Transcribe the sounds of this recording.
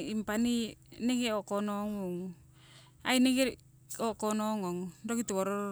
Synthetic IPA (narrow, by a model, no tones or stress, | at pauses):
impanineɡeokonoŋuŋ | aineɡeɾ | okonoŋoŋdoɡit̪uβoɾo